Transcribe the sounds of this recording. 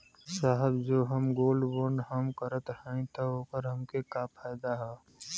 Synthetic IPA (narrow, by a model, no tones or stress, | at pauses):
saːɦəbd͡ʒoːɦəmɡoːlboːɾɳɖɦəmkəɾət̪hɛ̃ĩt̪ɔoːpəɾɦəmkekapʰaːɪd̪aɦɛː